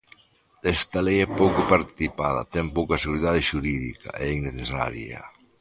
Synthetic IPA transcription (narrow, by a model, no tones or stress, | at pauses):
ɛst̪alejɛpowkʊpaɾt̪i̥θipaðɐ̰t̪ɛmpowkɐseɣuɾiðað̞eʃuɾiðḭka̰ʔeiŋneθesa̰ɾjɐ̰